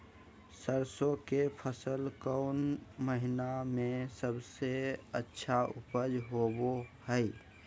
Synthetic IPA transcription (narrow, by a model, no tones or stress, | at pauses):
səɾsõkepʰəsəlkəʊnməɦɪnamẽsəbseətːʃʰaʊ̰pəd͡ʒɦobohəɪ